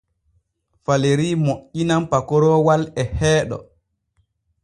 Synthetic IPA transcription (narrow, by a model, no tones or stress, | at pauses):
faleɾiːmoʔːinampakɔɾɔːwalɛhɛːɗɔ̰